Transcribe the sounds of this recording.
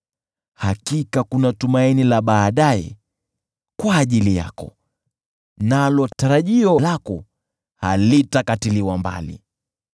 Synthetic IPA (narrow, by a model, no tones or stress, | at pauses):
hakikakunatumainilaɓaːɗajɛ̰ | kwaːʄilija̰kɔ̰ | nalɔtaɾaʄiɔlakɔ | halitakatiliwamba̰lḭ